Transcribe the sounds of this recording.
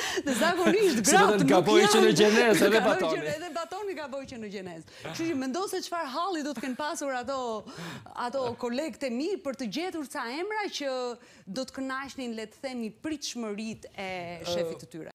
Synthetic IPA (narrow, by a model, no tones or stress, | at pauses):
ðɛzaɡɔniʃt̪sɡɾaɔtmɡabɔjt͡ʃənəd͡ʒɛnɛzɛðɛbaɔɛðɛbat̪ɔniɡabɔjt͡ʃənəd͡ʒɛnɛz | ʃuəmɛnd̪ɔsɛt͡ʃə̥faɾɦalˠid̪ɔt̪kɛnpasuɾat̪ɔ | a̰t̪ɔkɔlɛɡt̪ɛmipəɾt̪əɟɛt̪uɾsaɛmɾat͡ɕə | d̪ɔt̪ə̥kənaʃninlɛt̪əθɛnipɾit̪ʃməɾit̪ɛʃɛfit̪ːət̪yɾɛ̰